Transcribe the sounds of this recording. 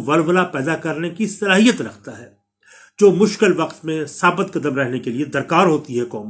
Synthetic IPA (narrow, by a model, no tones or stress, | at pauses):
ʋɐlʋəlapɛːd̪akɐɾnekisɐlaːɦijət̪ɾɐkʰt̪aɦɛː | d͡ʒoːmʊʃkɪlʋɐqt̪mẽsaːbət̪̚kɐd̪əmɾɛɦnekelied̪ɐɾkaːɾɦoːt̪iɦɛkɔːm